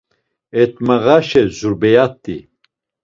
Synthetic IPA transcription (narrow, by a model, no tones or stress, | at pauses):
ɛt̪̚məʁaʃɛzuɾbɛjat̪ːi